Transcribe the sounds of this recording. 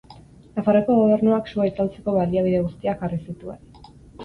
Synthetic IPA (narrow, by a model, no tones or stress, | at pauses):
nafaroko̞ɣ̞o̞β̞e̞ɾnuaksuajt͡salt͡se̞ko̞βaliaβ̞iðe̞ɣust̪iakarisit̪uḛn